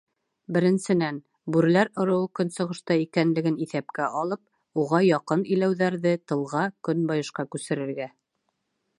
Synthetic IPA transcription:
bɘ̆ɾɘ̆nsɘ̆næn | bʉɾ̆læɾŏɾɤ̆wɤkɵnsɤ̆ʁɤ̆ʃt̪ɑikænlɘ̆ɡɘniθæpkæʔɑlˠɤp̚ | uʁɑjɑqɤnĭjlæwðæɾðɘt̪ɤ̆lˠʁɑkɵnbɑjɤ̆ʃqɑkʉsɘ̆ɾɘ̆ɾɡæ

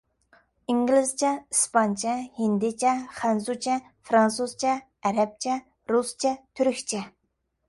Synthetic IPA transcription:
iŋɡʲlɪzt͡ʃʰɛispɑnt͡ʃʰɛhind̪ɪt͡ʃʰɛχɛnsut͡ʃʰɛ | fɾɑnsuz̥t͡ʃʰɛ | æɾɛp̚t͡ʃʰɛ | ɾust͡ʃʰɛt̪ʰyɾkʲt͡ʃʰɛ

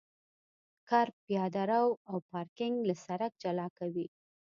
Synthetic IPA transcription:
kɑɾpjɑd̪aɾawawpɑɾkɪŋɡlasaɾak̚d͡ʒalɑkawi

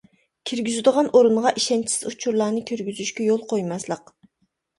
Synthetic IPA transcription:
kʲʰiɾɡʲyzyd̪əʁɑnʔoɾuɴʁɑʔiʃɛnt͡ʃʰi̥sɪ̥zut͡ʃʰuɾlˠɑːnɨkʲʰyɾɡʲyzyʃkʲɛjolˠqʰojmɑslˠəq

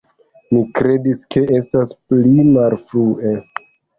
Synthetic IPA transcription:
nikɾe̞diskʰe̞ʔe̞stasplimalfɾue

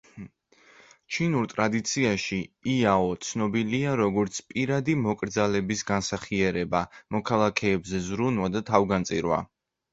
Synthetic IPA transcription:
t͡ʃʰinuɾt̪ʼɾad̪it̪sʰiaʃiiaɔt̪sʰnɔbiliaɾɔɡɔɾt̪sʰpʼiɾad̪imɔkʼɾd̪zalɛbisɡansaχiɛɾɛbamɔkʰalˠakʰɛːbzɛzɾunwad̪at̪ʰavɡant̪sʼiɾwa̰

